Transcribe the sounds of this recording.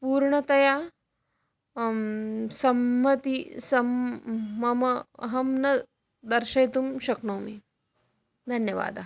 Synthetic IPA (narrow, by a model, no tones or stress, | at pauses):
puːɾɳɐt̪ɐjaː | sɐmːɐt̪isɐmː | ɐmɐɦɐmnɐ | d̪ɐɾʃɐjt̪umʃɐknoːmi | d̪ʱɐnjɐʋa̰ːd̪ɐ